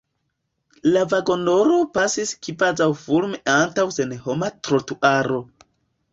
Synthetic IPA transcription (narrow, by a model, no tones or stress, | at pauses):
lavaɡo̞no̞ɾo̞pasiskivazawfuɾmeʔantawse̞nhomatɾotuʔaɾo̞